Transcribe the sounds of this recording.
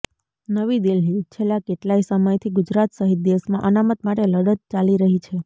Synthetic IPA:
nəʋid̪ilnit͡ʃʰelːakeʈlaisəməjt̪ʰiɡud͡ʒɾat̪səɦit̪̚d̪esmã̰ʔənamət̪maʈeləɽət̪̚t͡ʃaliɾəɦit͡ʃʰe

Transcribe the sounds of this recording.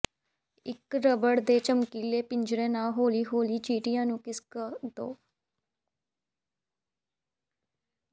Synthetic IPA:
ɪkɾəbəɽd̪eːt͡ʃəmkiːleːpɪɲd͡ʒɾẽːnãːɦoːliːɦoːliːt͡ʃiːʈɪjãːnũːkɪskəd̪o̰ː

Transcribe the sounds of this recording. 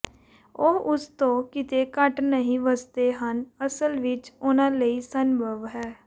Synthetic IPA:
oʊst̪õːkɪt̪eːkəʈnəɦĩːʋəst̪eːɦənəsəlʋɪt͡ʃʊnãːləiːsənbʱəʋɦɛː

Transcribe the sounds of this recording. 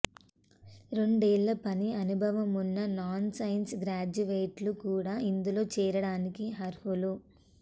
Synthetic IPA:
ɾo̞ɳɖeːɭːɐpɐniɐnubʱɐʋɐmunːɐnaːnsɐjnsɡɾaːd͡ʒuʋeːʈlukuːɽaːind̪ulo̞ːt͡ʃɛːɾɐɽaːnikiɦɐɾhulu

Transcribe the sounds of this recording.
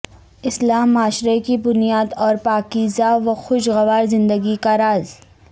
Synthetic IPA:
ɪslaːmːaːʃɾekibʊnijaːd̪ɔːɾpaːkiːzaʋɐxʊʃɣɐʋaːɾzɪ̃nd̪əɡikaɾaːz

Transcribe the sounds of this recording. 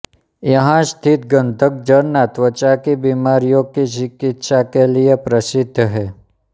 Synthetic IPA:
jəɦãst̪ʰit̪̚ɡə̃nd̪ʱək̚d͡ʒəɾnat̪ʋət͡ʃakibimaɾijokit͡ʃɪkit̪ʃakelijepɾəsɪd̪ʱːɦe

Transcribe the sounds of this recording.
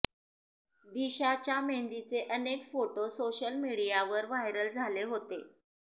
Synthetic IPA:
d̪iɕat͡ɕjamend̪it͡seʔənekfoʈosoɕəlmiɽijaʋəɾʋajɾəld͡zʱaleɦot̪e

